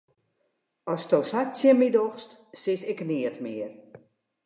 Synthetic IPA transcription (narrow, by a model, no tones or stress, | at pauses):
ɔstowsat͡sjəmidɔxstsɪsɪkniːətmiər